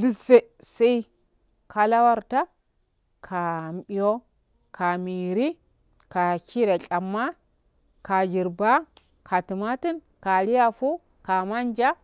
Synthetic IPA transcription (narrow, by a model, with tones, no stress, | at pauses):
li˦sːe˦sa˦i˦ | ka˨la˦wa˦ɾta˦ | kʰa˨mɓi˨jo˦ | kʰa˨mi˨ɾi˦ | ka˨ki˦ɾa˨t͡ʃʼa˨mːa˦ | ka˨d͡ʒi˨ɾba˦ | kʰa˨ti˨ma˦ti˦n | ka˨li˦ja˦fu˦ | ka˨ma˦nd͡ʒa˦